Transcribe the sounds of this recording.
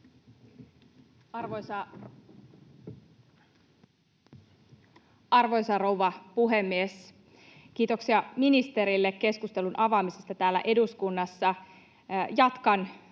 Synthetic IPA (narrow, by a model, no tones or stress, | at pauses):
rʋosɑ | ɑrʋo̞jsɑrowʋɑpuɦemːies | k̟iːt̪o̞ksiɑminist̪e̞ɾilːekːe̞skust̪e̞lunʔɑʋɑmisest̪ɑt̪æːlːæ̰ʔe̞duskunːɑsːɑ | jɑt̪kɑn